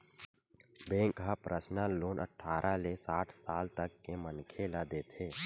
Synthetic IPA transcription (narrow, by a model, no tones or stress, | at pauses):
bẽːŋkɦapɾʔəsnaloːnʔə̰ʈʰːaːɾʔalesaːʈʰsaːlt̪əkːemənkʰeːlad̪eːt̪ʰeː